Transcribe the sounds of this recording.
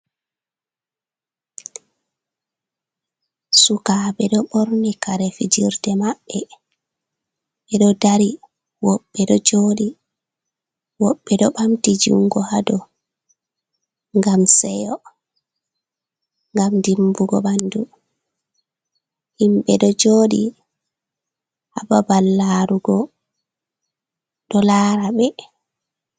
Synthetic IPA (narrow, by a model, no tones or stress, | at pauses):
sukaɓɛɗɔɓɔɾnikaɾɛfid͡ʒiɾdɛmaɓːɛ | ɓɛɗɔdaɾi | wɔɓːɛɗɔd͡ʒoːɗi | wɔɓːɛɗɔɓamtid͡ʒṵŋɡɔhadɔ | ŋɡamsɛjɔ | ŋɡamndimbuɡɔ̰ɓandu | himɓɛɗɔd͡ʒoːɗi | hababalːaɾuɡɔ | ɗɔlaːɾaɓɛ